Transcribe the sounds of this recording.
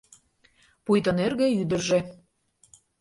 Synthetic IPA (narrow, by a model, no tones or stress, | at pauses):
pujt̪ɤ̆nerɣĕyd̪ə̆rʒĕ